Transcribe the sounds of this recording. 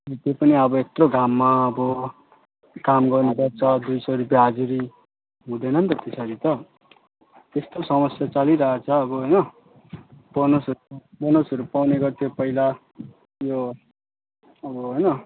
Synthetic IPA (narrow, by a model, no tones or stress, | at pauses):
ʌʌt̪opʌniʌbʌet̪roɡʱamːaʌbʌ | kamɡʌrnebʌtt͡sʰʌd̪ujsʌɾupjaɦad͡zuɾi | ɦũd̪ʌnʌnt̪ʌt̪esʌɾit̪ʌ | t̪est̪osʌmʌsjat͡sʌliɾʌɦat͡sʰʌːbʌɦʌjnʌ | b̥onosʌubonosʌɾupawneɡʌrt̪ʰjopʌila | jo | ʌbʌɦʌjnʌ